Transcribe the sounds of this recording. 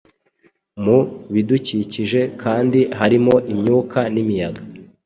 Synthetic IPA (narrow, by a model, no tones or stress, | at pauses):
muβiduciːciʒe̞kʰaːndiɦaɾimo̞ʔimɲuːkʰanimijaɡa